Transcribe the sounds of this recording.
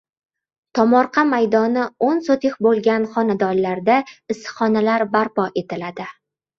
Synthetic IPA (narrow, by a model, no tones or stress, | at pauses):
t̪ʰɒmɒɾqʰɑmajd̪ɒnɪonsot̪ʰɪχbolˠɡʲanχɒnad̪ɒnlaɾd̪aɪsχɒnalaɾbaɾpɒʔe̞t̪ɪlad̪ɪ